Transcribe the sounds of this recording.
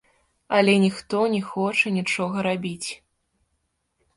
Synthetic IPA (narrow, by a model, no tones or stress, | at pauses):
ɐlʲɛnʲixt̪ɔnʲɛxɔt͡ʂɐnʲit͡ʂɔɣɐɾabʲit͡sʲ